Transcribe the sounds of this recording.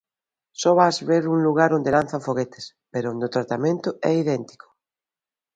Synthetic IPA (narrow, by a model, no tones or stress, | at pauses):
sɔβazβeɾuŋluɣ̞aɾond̪elanθaɱfoɣet̪e̥s | peɾoond̪ot̪ɾat̪amẽnt̪ʊɛiðɛnt̪i̥ko̥